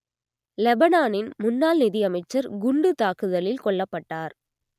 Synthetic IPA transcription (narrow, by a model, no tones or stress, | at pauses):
lɛbɐnaːnɪnmʊnːaːlnɪðɪjɐmɐɪt͡ʃːɐɾɡʊɳɖɯt̪aːkɯðɐlɪlkɔɭːɐpːɐʈːaːɾ